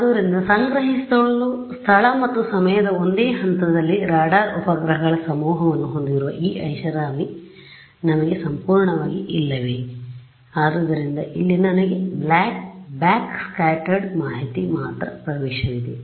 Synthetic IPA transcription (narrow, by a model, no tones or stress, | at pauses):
ɐd̪ɐʋɾind̪ɐsɐŋɡɾɐɦist̪ɐɭɭust̪ʰɐɭɐmɐt̪ːusɐmɐjɐd̪ɐo̞nd̪eːɦɐnt̪ɐd̪ɐlːiɾaːɖaːupɐɡɾɐɦɐɡɐɭɐsɐmuːɦɐʋɐnːuɦo̞nd̪iɾuʋɐ̰ʔiːʔɐjʃɐɾaːmi | nɐmɐɡe̞sɐmpuːɾɳɐʋaːɡiʔilːɐʋe̞ | aːd̪ɐd̪ɐɾind̪ɐʔilːinɐnɐɡe̞blaːk̚baːkskaːʈɐɾɖmaːɦit̪imaːt̪ɾɐpɾɐʋɛːʃɐʋid̪e